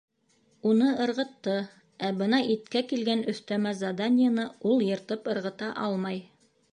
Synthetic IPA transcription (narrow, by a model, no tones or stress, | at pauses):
unɤɤ̆ɾʁɤ̆t̪ːɤ | æbɤnɑʔit̪̚kækilɡænɵ̆θt̪æmæzɐd̪anʲɪjanɤulˠjɤ̆ɾt̪ɤpɤ̆ɾʁɤ̆t̪ɑʔɑlˠmɑj